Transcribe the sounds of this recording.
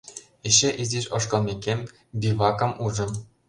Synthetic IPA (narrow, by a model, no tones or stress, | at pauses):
eɕĕʔizʲiɕŏʃkɤ̆lˠmʲekʲemʲ | bʲiβɑkɤ̆muʒɤ̆m